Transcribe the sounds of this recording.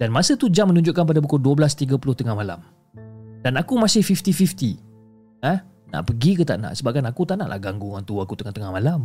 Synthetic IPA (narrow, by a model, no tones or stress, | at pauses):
d̥anmasət̪ud͡ʒamːənuɲd͡ʒʊʔkanp̬adap̬ukʊlduəblast̪iɡəpulʊht̪əŋahmala̰m | danakumasɪhfift̪ifift̪i | ɛh | na̰ʔpəɡik̬ət̪aʔna̰ʔsəbap̚kanakut̪aʔna̰ʔla̰hɡaŋɡuɣaŋt̪uaakut̪əŋat̪əŋahmalam